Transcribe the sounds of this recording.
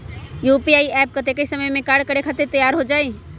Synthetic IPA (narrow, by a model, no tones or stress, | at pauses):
juːpiaːiɛːp̚kɐt̪ekəisɐməjmẽkaːɾɖ̚kəɽekʰat̪et̪əjaːɾɦod͡ʒaːe